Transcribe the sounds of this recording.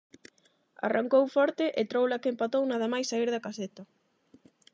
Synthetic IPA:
a̰raŋkowfɔɾt̪ɪʔet̪ɾowlɐkempat̪ownað̞ɐmajsːaiɾðɐkaset̪ɐ

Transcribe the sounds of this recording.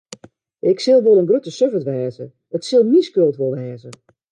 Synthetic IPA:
ʔɪksɪlˠʋolˠənɡrøtəsøvətʋɛːzə | ətsɪlˠmiskølˠtʋolˠʋɛːzə

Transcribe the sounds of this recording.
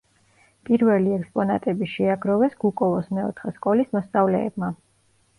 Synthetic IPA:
pʼiɾvɛliɛkspʼɔna̰t̪ʼɛbiʃɛaɡɾɔvɛsɡ̥ukʼɔvɔsmɛɔ̰t̪ʰχɛskʼɔlismɔst̪sʼavlɛɛbma

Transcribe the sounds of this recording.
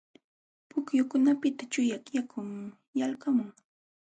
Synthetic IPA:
pʊkjʊkʊnapɪt̪at͡ʃʊjakjakʰʊm | jalkamʊŋ

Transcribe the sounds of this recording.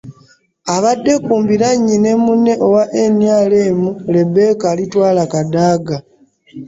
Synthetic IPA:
aβadːe̞kuːmbiɾaɲːine̞mune̞ʔowaʔe̞njaːleːmule̞be̞ːkalitwaːlakadaːɡa

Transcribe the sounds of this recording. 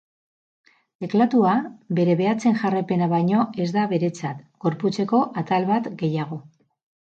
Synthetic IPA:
d̪e̞klat̪uabe̞ɾe̞βe̞at͡se̞nʝarepe̞naβajɲo̞e̞zd̪aβe̞ɾe̞t͡sat̪ɡo̞ɾput͡se̞ko̞ʔat̪alβat̪ɡe̞jaɣ̞o̞

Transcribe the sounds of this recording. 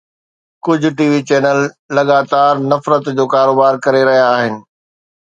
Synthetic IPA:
kʊd͡ʑʱʊ̆ʈiːʋit͡ɕɛːnəlː | ɐɠaːt̪aːɾnɐfɾət̪d͡ʑoːkaːɾoːbaːɾkɐɾeɾɐɦijaːɦɪnɪ̆

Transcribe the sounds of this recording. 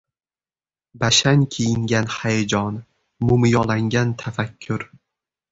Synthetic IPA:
baʃaŋkʲʰejɪŋɡʲanhajad͡ʒɒn | mʊmjɒlˠaŋɡʲant̪ʰafakʲʰːʊɾ

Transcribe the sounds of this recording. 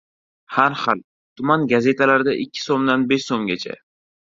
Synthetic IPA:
haɾhal | t̪ʰʊmanɡaze̞t̪ʰalaɾɪd̪aʔɪkʲʰːɪ̥somd̪anbeʃsomɡʲat͡ʃʰa̰

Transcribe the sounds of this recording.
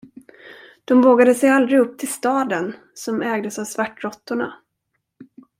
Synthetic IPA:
d̪̥ɔmvoːɡad̪əsɛjald̪ɾɪɡɵp̚ːt̪ʰɪlst̪ɑːd̪ən | sɔmɛːɡd̪əsavsvaʈːɾɔt̪ːʊɳa̰

